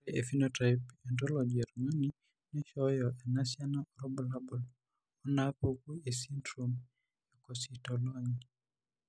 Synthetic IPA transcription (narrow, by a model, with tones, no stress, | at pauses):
e˨fi˦nota˨jpɛndɔ˦lɔ˨d͡ʒe˨ɾma˦ni | ni˦ʃɔjɔʔɛ˨na˦sja˦naɔ˨ɾɔ˦bɔ˨la˦bɔ˨l | ɔ˦napoku˦e˨si˦ndɾum | jɔ˨kɔsitɔla˦ɲi